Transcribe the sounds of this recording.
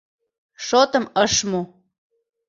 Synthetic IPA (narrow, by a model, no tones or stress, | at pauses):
ʃot̪əməʃmo